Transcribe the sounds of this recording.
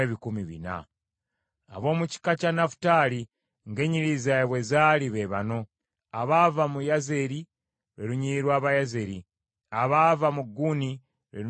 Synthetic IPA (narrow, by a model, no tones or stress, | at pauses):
eβikumiβḭna̰ | βo̞ːmuci̥kacanafu̥taːɾi | ŋɡe̞ɲiɾizajeβwezaːliβe̞βa̰no̞ | aβavamujazeɾi | ɾeɾuɲiːɾwaːβajaze̞ɾi | aβavamuɡuni | ɾe